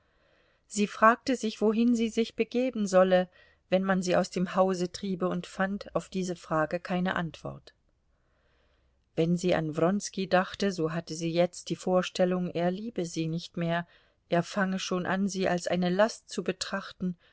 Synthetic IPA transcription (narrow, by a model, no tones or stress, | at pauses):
z̥iːfʁ̥aːk̚təzɪçv̥oɦɪnziːzɪçb̥əɡeːbn̩zɔlə | vɛnmanziːʔaʊsd̥eːmhaʊzətʁ̥iːbəʊntfantʰaʊfd̥iːzəfʁ̥aːɡəkʰaɪnə̰ʔantv̥ɔ̰ɐt | v̥ɛnziːʔa̰nvʁɔnskidaχtəzoːɦatəziːjɛt͡std̥iːfoːɐʃtɛlʊŋʔeːɐliːbəziːnɪçtmeːɐ | ʔeːɐfaŋəʃoːnʔa̰nziːʔa̰lsʔa̰ɪnəlastt͡subətʁ̥aχtn̩